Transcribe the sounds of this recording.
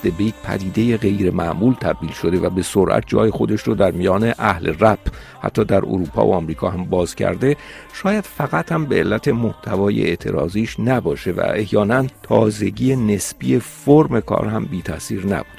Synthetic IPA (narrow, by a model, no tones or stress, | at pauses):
d̪̥ebejt̪̚pʰæ̰d̪iːd̪e̞jeɣe̞jɾe̞mæʔmuːlt̪ʰæb̚d̪iːlʃo̞d̪e̞væbe̞soɾʔæ̰t̪̚ʰd͡ʒɒ̰ːjexo̞d̪eʃɾod̪æɾmijɒːne̞ʔæhleræb̥ | hæ̰t̪ʰːɒːd̪æɾo̰ɾuːpʰɒ̰ːvoɒmɾiːkʰɒ̰ːhæmbɒːzcʰæ̰ɾd̪e̞ʃɒːjæd̪̥fæɣæt̪hæmbe̞elːæt̪ʰe̞moht̪ʰævɒːjḛʔeʔt̪ʰḛɾɒ̰ːziːʃnæbɒːʃe̞væ̰e̞hjɒːnænt̪ʰɒːze̞ɟiːene̞sbie̞foɾme̞kʰɒ̰ːɾhæmbiːt̪ʰæsiːɾnæ̰bud̪̥